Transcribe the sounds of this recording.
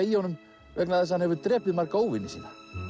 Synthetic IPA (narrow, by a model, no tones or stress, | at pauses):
ijownʏm | ʋɛknaðɛs̬ːanhɛvʏɾt̪ɾɛːplɪmarkaowvɪnːɪsḭːnːa